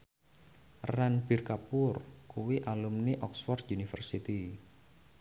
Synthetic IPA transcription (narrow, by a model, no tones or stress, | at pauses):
ranbi̤rkapʊrkuwiʔalumniʔɔksfɔrt̪unifərsit̪i